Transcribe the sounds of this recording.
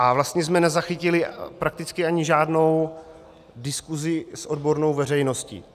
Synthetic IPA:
ʔavlast̪ɲɛzmɛnɛzaxɪcɪlɪpɾak̚t̪ɪt͡skɪaɲɪʒaːdno̞w | dɪskuzɪsʔo̞dbo̞ɾno̞wvɛr̝ɛjno̞scḭː

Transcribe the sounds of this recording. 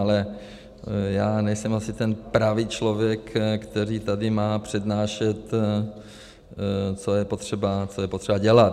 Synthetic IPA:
alɛ | jaːnɛjsɛmasɪt̪ɛnpɾaviːt͡ʃlo̞vjɛkkːt̪ɛɾiːt̪adɪmaːpr̝̥ɛdnaːʃɛt̪ | t͡sojɛpo̞t̪r̝̥ɛbat͡sojɛpot̪rɛbaɟɛlat̪

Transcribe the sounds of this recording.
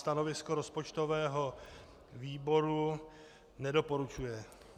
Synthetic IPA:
st̪ano̞vɪskoɾo̞spot͡ʃt̪o̞vɛːɦo̞ | viːbo̞ɾu | nɛdo̞po̞ɾut͡ʃujɛ

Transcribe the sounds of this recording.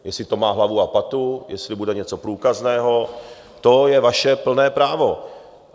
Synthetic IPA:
jɛsɪt̪o̞maːɦlavuapat̪ujʔɛslɪbudɛɲɛt͡so̞pɾuːkaznɛːɦo̞ | t̪ojɛvaʃɛpl̩nɛːpɾaːvo̞

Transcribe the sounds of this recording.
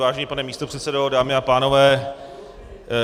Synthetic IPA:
vaːʒɛɲiːpanɛmiːst̪o̞pr̥ɛt̪sɛdodaːmɪapaːno̞vɛː

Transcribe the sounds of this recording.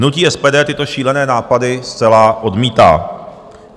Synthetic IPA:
nuciːʔɛspɛːdɛːt̪ɪt̪o̞ʃiːlɛnɛːnaːpadɪst͡sɛlaːʔo̞dmiːt̪a̰ː

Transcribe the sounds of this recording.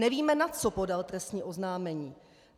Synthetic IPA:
ɛviːmɛnat͡sopo̞dalt̪ɾɛst̪ɲiːʔo̞znaːmɛɲiː

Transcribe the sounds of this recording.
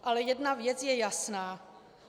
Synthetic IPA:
ʔalɛjɛdnavjɛt͡sjɛjasnaː

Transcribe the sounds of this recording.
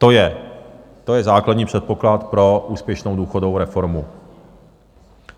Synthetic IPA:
t̪ojɛ | t̪o̞jɛzaːkladɲiːpr̝̥ɛt̪̚po̞klat̪pɾo̞ʔuːspjɛʃnowduːxodoowɾɛfo̞ɾmu

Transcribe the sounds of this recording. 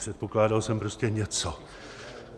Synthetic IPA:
r̥ɛt̪̚poklaːdalsɛmpɾoscɛɲɛt͡so

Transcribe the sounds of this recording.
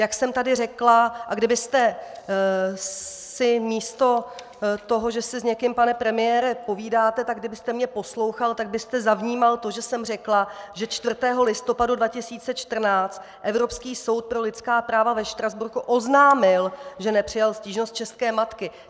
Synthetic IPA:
jaksɛmt̪adɪrɛklaʔaɡdɪbɪst̪ɛ | sɪmiːst̪o̞ | t̪o̞ɦo̞ʒɛsɪzɲɛkɪmpanɛpɾɛmɪjɛːɾɛpo̞viːdaːt̪ɛt̪aɡɡdɪbɪst̪ɛmɲɛpo̞slo̞wxalt̪aɡ̚bɪst̪ɛzavɲiːmalt̪o̞ʒɛsɛmr̝ɛklaʒɛt͡ʃt̪vr̩t̪ɛːɦo̞lɪst̪o̞padudvacɪsiːt͡sɛt͡ʃt̪r̩naːt͡st̪ | ʔɛvɾo̞pskiːso̞wt̪̚pɾo̞lɪt͡skaːpɾaːvavɛʃt̪ɾazbuɾkuʔo̞znaːmɪlʒɛnɛpr̝̥ɪjalsciːʒnost̪̚t͡ʃɛst̪kɛːmat̪kɪ

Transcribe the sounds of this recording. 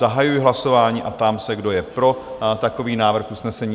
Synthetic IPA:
aɦajujɪɦlaso̞vaːɲiːʔat̪amsɛɡdo̞jɛpɾo̞t̪ako̞viːnaːvr̩xʔusnɛsɛɲiː

